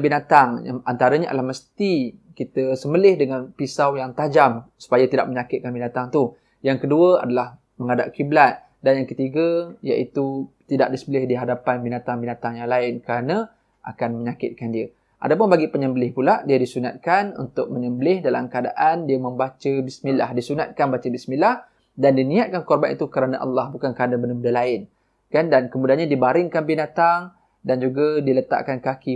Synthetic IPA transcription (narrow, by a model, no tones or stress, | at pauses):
binat̪aŋa̰ant̪aɾəɲəa̰dalahməst̪ikit̪əsəməlɪhdəŋanpisawjaŋt̪ad͡ʒamsu̥pajat̪ida̰ʔ̚məɲakɪt̪̚kanbinat̪aŋt̪u | jaŋkəduəa̰dalah | məŋada̰ʔkiblat̪̚ | danjaŋkət̪iɡəja̰ʔit̪ut̪ida̰ʔ̚disəbəlɪhdiɦadapanbinat̪aŋbinat̪aŋjaŋlaɪnkəɾanə̃ | ʔa̰kanmə̃ɲakɪt̪̚kandiə | ʔa̰dapʊnbaɡipəɲəmbəlɪhpulaʔdiədisunat̪̚kanṵnt̪ʊk̚məɲəmbəlɪhdala̰mkəada̰ʔandiəmə̃mbat͡ʃəbismila̰hdisunat̪̚kanbat͡ʃəbismilah | dandinĩat̪̚kankɔrbanʔḭt̪ukəɾanãʔɑ̰lːɑhbukankəanabənəbədəlaɪn | kandankəmudaanɲadibaɾɪŋkanbinat̪aŋ | dand͡ʒuɡadilət̪a̰ʔkankaki